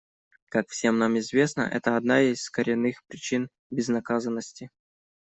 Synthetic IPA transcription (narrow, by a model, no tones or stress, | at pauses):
kakfsʲe̞mnamɪzvʲe̞snə̰ʔɛ̰t̪əɐd̪naɪsʲsːkəɾʲɪnːɨxpɾʲɪt͡ɕin | bʲɪznɐkazənːəsʲtʲɪ